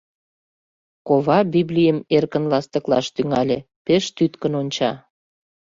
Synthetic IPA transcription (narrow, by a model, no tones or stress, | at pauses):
koβɑbiblʲijəmerkənlɑst̪ə̆klɑ̰ʃt̪yŋɑlʲe | peʃt̪yt̪kənonʲt͡ɕɑ